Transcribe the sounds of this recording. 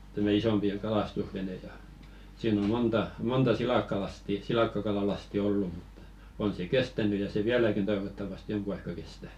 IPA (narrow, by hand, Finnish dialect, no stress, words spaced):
tæmæ isompi j̆ɑ̆ kɑlɑstusʋene jɑ siːn o montɑ montɑ silɑˑkːɑlɑsti silɑˑkːɑkɑlɑlɑsti olːu mutːɑ̥ on se kestæny jɑ se ʋiælækin toiʋotːɑʋɑste joŋku ɑikːɑ kestæ